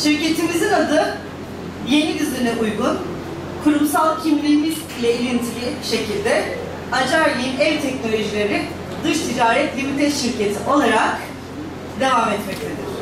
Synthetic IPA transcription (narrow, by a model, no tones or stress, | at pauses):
ʃiɾce̞t̪ʰimizinad̪ɯ | je̞nidyzʲeɾinɛʔujɡun | kʰuɾumsalˠcʰimlʲimizilʲɛilʲint̪ʰibʲiʃe̞cʰilʲd̪ɛ | ad͡ʒaɾlʲinɛvt̪ʰɛcno̞lʲo̞ʒilʲeɾini | d̪ɯʃt̪ʰid͡ʒaːɾɛt̪lʲimit̪ʰɛʃiɾce̞t̪ʰiʔo̞lˠaɾak | d̪e̞vamɛt̪mɛc̚t̪ʰe̞d̪ɪ